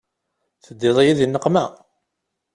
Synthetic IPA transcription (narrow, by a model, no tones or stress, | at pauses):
θəd̪ːɪðˤjiðinːəqːmæ